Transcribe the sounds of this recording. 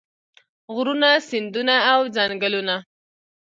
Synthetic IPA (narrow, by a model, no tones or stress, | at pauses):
ɣɾunasɪnd̪unaːwd͡zaŋɡəluna